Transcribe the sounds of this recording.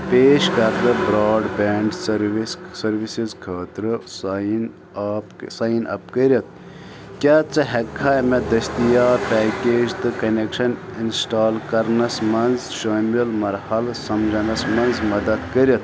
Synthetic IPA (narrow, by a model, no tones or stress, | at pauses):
peːʃkɐɾd̪ɐbɾaːɖbeːɳɖsɐɾʋissɐɾʋisizkʰaːt̪ɾɨsinː | psaːinʔɐ̰p̚kəɾʲɐt̪̚ | kʲaːt͡sɨɦɐkʰːaːmed̪ɐst̪ijaːpɛːkeːd͡ʒt̪ɨkɐnekʃɐninsʈaːlkɐɾnɐsmɐnzʃɐːmɐlmɐɾhɐlsɐmd͡ʒɐnɐsmɐnzmɐd̪ɐd̪kɐɾʲjɐt̪